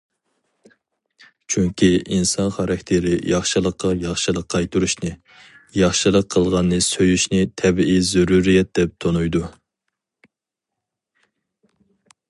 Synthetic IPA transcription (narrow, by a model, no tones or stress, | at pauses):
t͡ʃʰyŋkʲʰiinsɑnχɑɾɑkʲt̪ʰɪɾɪjɑχʃɨlˠəqːɑjɑχʃɨlˠəqʰːɑjt̪ʰuɾuʃnɨ | jɑχʃɨlˠəqʰːəlˠʁɑnːɨsøjyʃnɪt̪ʰɛbiizuɾuɾijɛt̪̚d̪̥ɛp̚t̪ʰonujd̪u